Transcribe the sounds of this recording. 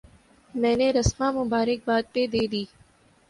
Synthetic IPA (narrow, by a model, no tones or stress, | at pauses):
mɛ̃ːneɾɐsmãːmʊbaːɾɪk̚baːd̪̚ped̪eːd̪iː